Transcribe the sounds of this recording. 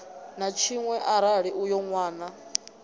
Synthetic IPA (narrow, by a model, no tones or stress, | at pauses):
nat͡ʃʰiŋwɛʔaɾaɺiʔujɔŋwaːna